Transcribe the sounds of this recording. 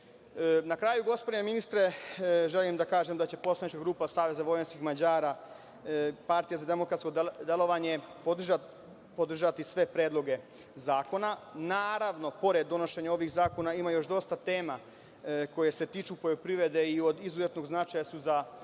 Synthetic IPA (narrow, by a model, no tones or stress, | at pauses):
nakɾaːjuɡo̞spod̪ineminist̪ɾe̞ʒelimd̪akaːʒemd̪at͡ɕe̞po̞slˠanit͡ʃkaɡɾuːpasaːʋe̞zaʋo̞jenskixmad͡ʑaːɾa | paɾt̪ijazad̪e̞mo̞kɾat̪skod̪d̪elo̞ʋaɲe̞pod̪ʒa | pod̪r̩ʒat̪isʋe̞pɾeːd̪lˠo̞ɡe̞ | zaːko̞nanaːɾaʋno̞po̞ɾe̞d̪ːo̞no̞ʃe̞ɲao̞ʋiɣzaːko̞naimajo̞ʃd̪o̞st̪at̪e̞ːma | ko̞jese̞t̪iːt͡ʃupo̞jopɾiʋɾe̞d̪e̞io̞d̪izuzet̪no̞ɡznat͡ʃajasuza